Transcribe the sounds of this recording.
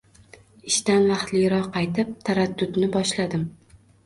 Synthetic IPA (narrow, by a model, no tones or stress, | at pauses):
ɪʃt̪anvɑχt̪lɪjʲɾɒqːɑjt̪ʰɪp̚t̪ʰaɾad̪ːʊd̪nɪbɒʃlad̪ɪm